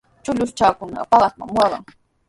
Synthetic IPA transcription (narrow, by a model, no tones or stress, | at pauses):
t͡ʃʊʎʊst͡ʃaːkʊnɑ̰ɢɑ̰pɑɢɑsma̰ŋmːwɑɢɑ̰ŋ